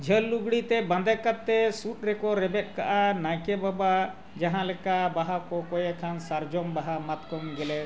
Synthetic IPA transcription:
d͡ʒʱəlːuɡɽit̪ɛbə̃nd̪ɛkat̚t̪ːɛsuʈ̚ɾɛkɔɾɛbɛt̪̚ka̰ʔanajkɛbaba | d͡ʒaɦãlɛkabaɦakɔkɔjɛkʰansaɾd͡ʒɔmbaɦamat̪kɔmɡɛlɛ

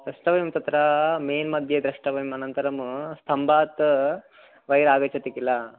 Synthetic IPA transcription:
d̪ɾɐʂʈɐʋɐjumt̪ɐt̪ɾɐmeːnmɐd̪ʱjɐd̪ɾɐʂʈɐʋɐjmɐnɐnt̪ɐɾɐmust̪ʰɐmbʱaːt̪ː | ʋɐjɾaːɡɐt͡ʃɐt̪ikːilːɐ

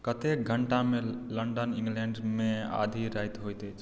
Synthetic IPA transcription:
kət̪ek̚ɡʱəɳʈamẽləɳɖənĩŋɡlẽɳɖmẽa̰d̪ʱiɾajt̪ɦojt̪ət͡ʃʰ

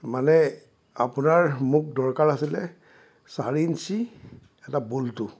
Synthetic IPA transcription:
manɛ | apʊnaɹmuk̚dɔɹkaɹasilɛ | saɹinsi | ɛtabultu

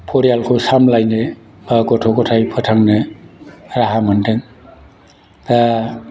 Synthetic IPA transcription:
pʰɔɾijalkʰosamlajnɯ | baɡɔtʰokɔtʰajpʰɯtʰaŋnɯ | ɾaɦamɯntʰɯŋ | t̪a

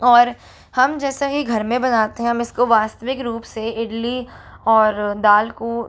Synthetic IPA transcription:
ɔːɾ | hɐmd͡ʒɛːsaɦiɡʱɐɾmẽbɐnaːt̪eɦɛ̃ɦɐmɪskoʋaːst̪əʋɪkɾuːpseɪɽliɔːɾd̪aːlko

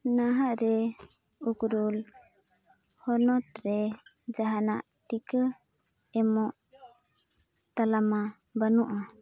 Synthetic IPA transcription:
naɦaʔɾɛ | ukɾul | hɔnɔt̪ɾɛ | d͡ʒaɦanaʔʈikə | ɛmɔʔ | t̪alama | banuʔa

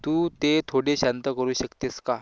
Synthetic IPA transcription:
t̪uːt̪et̪ʰoɽeɕant̪əkəɾuːɕəkt̪eska

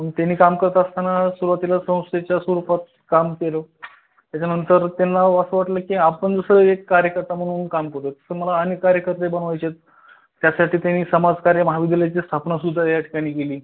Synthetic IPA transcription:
pəɳt̪anːiːkamkəɾət̪əst̪anasuɾuʋat̪ilasə̃w̃st̪et͡ɕjasuɾupat̪ | kamkelo | t̪jat͡ɕanənt̪əɾt̪enːaəsəʋaʈləːkĩapəɳd͡zəsəekːaɾjəkəɾt̪am̤əɽ̃uːnkamkəɾt̪ot̪ə̥səːməlaːnekːaɾjəkəɾt̪ebənʋajt͡ɕet̪̚ː | jasaʈʰiːt̪janiːsəmad͡zkaɾjəməɦaʋid̪jaljat͡ɕiːst̪ʰapnasud̪ʱːajaʈʰi̥kaɽ̃iːkeliː

